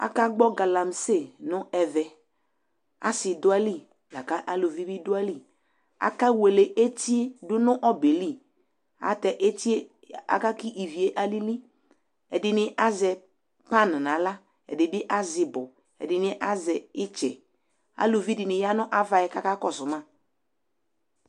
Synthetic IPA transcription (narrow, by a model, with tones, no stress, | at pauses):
a̰˦ka˦ɡ͡bɔ˦ɡa˨la˨m˨se˦˨nʊ˦ɛ˨vɛ˨ | a̰˦sɪ˨dʊ˦a˦li˦˨ | la˨ka˦ʔa˦lo˨vi˦bi˦dʊ˦a˦li˦˨ | a̰˦ka˦we˨le˨ʔe˦ti˦e˦dʊ˦nʊ˦ʔɔ˦be˨li˦˨ | a̰˨tɛ˨ʔe˦ti˦e˦ | a̰˦ka˦ki˦ʔi˨vi˨e˦ʔa˦li˦li˦ | ɛ˨dɪ˨nɪ˦ʔa˦zɛ˨ | pa˦n˨na˨˦la˦ | ɛ̰˨dɪ˨bɪ˦ʔa˦zɪ˨bʊ˨ | ɛ̰˨dɪ˨nɪ˦ʔa˦zɛ˨ɪ˦t͡ʃɛ˨ | a̰˦lo˨vi˦dɪ˨nɪ˨ja˦nʊ˦ʔa˦va˨jɛ˨ka˦ka˦kɔ˨sʊ˨ma˦˨